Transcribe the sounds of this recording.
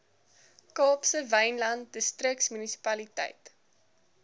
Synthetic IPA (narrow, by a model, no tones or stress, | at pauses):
kɑːpsəvɐjnlɐnt̚dəstrəksmynisi̥pɐlitə̰jt